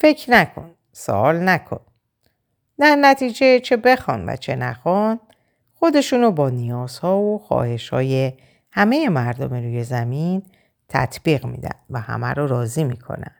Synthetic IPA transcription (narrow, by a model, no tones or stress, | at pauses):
fe̞cʰnækʰo̞̰n | so̰ʔɒːlnækʰo̞̰n | d̪æɾnæt̪ʰiːd͡ʒet͡ʃʰebe̞xɒ̰ːnvæ̰t͡ʃʰe̞næxɒn | xo̞d̪e̞ʃuːnobɒːnijɒːz̥hɒːvoxɒ̰ːhe̞ʃhɒ̰ːje̞ | hæme̞jemæɾd̪omiɾuːje̞zæmin | t̪ʰæ̰t̪ʰb̥iːɣmḭːd̪æ̰nd̪̥væhæ̰mæ̰ɾɔɾɒːziːmiːkʰo̞̰næ̰nd̪̥